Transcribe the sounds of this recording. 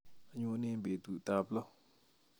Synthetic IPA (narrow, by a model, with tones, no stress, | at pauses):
ʔə˨ɲʊ̃˨ʔnɪ̃˦mbe˨t̪u˨t̪a˨bəlo˦˨